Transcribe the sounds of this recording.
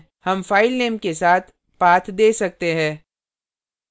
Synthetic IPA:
hɐmfaːɪlneːmkesaːt̪ʰ | paːt̪ʰd̪eːsɐk̚t̪eɦɛ̃ː

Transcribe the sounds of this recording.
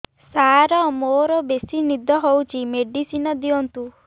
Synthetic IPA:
saɾɔmoɾɔbesinid̪ʱɔɦowt͡ʃʰimeɖisinɔd̪iɔnt̪u

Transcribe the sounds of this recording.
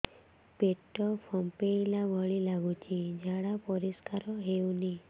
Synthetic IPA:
peʈɔpʰɔmpeilabʱəɭilaɡut͡ʃʰid͡ʒʱaɽapɔɾiskaɾɔɦeũni

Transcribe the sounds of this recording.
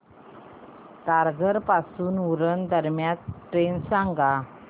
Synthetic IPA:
t̪aɾɡəɾpasuːnuɾənd̪əɾmjãt̪ʈɾensaŋɡa

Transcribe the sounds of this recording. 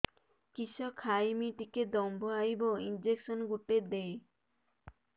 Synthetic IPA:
kiʃɔkʰːajmiʈiked̪ɔmbʱoajboind͡ʑekʃonɡuʈed̪ej

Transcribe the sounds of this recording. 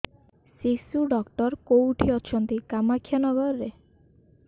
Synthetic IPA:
sisuɖɔkʈɔɾkowʈʰiɔt͡ʃʰɔnt̪ikamakʰːjɔnɔɡɔɾːe

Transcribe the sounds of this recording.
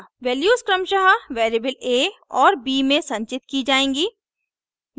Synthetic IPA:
ʋɛːljuːskɾɐmʃɐɦaʋeːɾiːbəleːɔːɾbiːmẽsɐ̃ɲt͡ʃɪt̪kid͡ʒaːẽːŋɡiː

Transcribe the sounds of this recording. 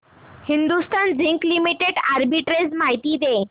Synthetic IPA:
hind̪ust̪and͡ziŋklimiʈeɖaɾbiʈɾed͡zmaɦit̪iːd̪e

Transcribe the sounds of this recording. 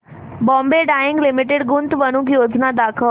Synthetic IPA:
bɔ̃ːmbeɖaːɪ̃ŋɡlɪmɪʈɪɖɡʊnt̪ʋənũkjoːd͡ʒnad̪aːkʰə

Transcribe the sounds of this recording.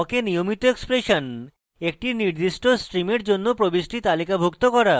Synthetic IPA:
kenijomit̪oekspɾeʃon | ek̚ʈiniɾd̪iʃʈosʈɾimeɾd͡ʑonːopɾobiʃʈit̪alikabʱukt̪okɔɾa

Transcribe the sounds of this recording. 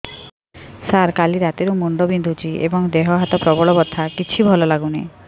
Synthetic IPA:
saɾkaliɾat̪eɾumuɳɖɔbind̪ʱut͡ʃiḛbɔŋd̪eɦɔɦat̪ɔpɾɔbɔɭɔbɔt̪ʰːakit͡ʃʰibʱɔlɔlaɡune

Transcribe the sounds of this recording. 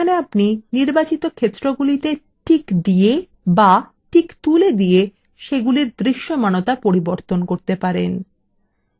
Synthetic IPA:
aneapniniɾbat͡ɕit̪okʰet̪ːɾoɡulit̪e | ʈʰikd̪ije | ba | ʈʰikt̪uled̪ije | ʃeɡuliɾd̪ɾiʃːomanot̪apoɾiboɾt̪onkoɾt̪epaɾen

